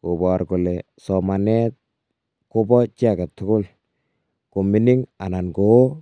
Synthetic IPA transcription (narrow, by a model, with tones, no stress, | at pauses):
ko˨bɔ˨ɾkʊ˨lɛ˨ | sɔma˨nɛ˦t̪̚ | ko˦bɔ˦t͡ʃi˦a˨ka˨t̪ːʊ˦kʊ˦l | ko˨mi˦nɪ˦ŋa˨na˨nko˨o˦